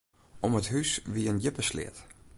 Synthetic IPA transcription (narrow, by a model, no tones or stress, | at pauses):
ʔɔməthysʋiənjɪpəslɪ̰ːt